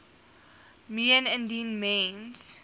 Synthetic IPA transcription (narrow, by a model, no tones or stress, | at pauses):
miə̃nɛ̃ndĩnmẽnz̥